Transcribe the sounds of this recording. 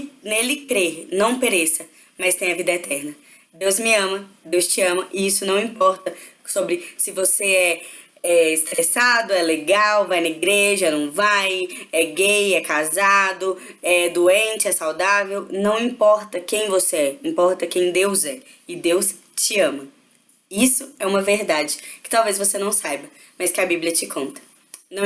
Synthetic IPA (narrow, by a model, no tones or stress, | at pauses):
nelɪkɾeɾnɐ̃w̃peɾesɐ | mɐst̪ẽj̃ɐvid̪ɐɛt̪ʰɛɾnɐ | d̪ewzmɪɐ̃mɐd̪ewst͡ʃiɐ̃mɐʔɪisʊnɐ̃w̃ĩpɔɾt̪ɐ | sobɾɪsɪvoseɛ | ɛɪst̪ɾɛsad̪ʊɛleɡawvajnɐiɡɾeʒɐnɐ̃w̃vajɛɡejɛkazad̪ʊ | ɛd̪uẽnt͡ʃɪɛsawd̪avewnɐ̃w̃ĩpɔɾt̪ɐkẽj̃voseɛĩmpɔɾt̪ɐkẽj̃d̪ewzɛ | ɪd̪ews | t͡ʃɪɐ̃mɐ | isʊɛũmɐveɾd̪ad͡ʒɪkɪ̥t̪awvezvosenɐ̃w̃sajbɐ | mɐskɪabiblʲiɐt͡ʃɪkʰõnt̪ɐ̥ | nɐ̃